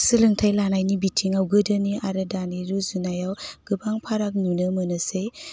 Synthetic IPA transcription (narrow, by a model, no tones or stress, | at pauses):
sɯlɯŋtʰajlanajnibitʰiŋawɡɯdɯniaɾɯdaniɾuzunajawɡ̥ɯbaŋpʰaɾak̚nunɯmɯnɯse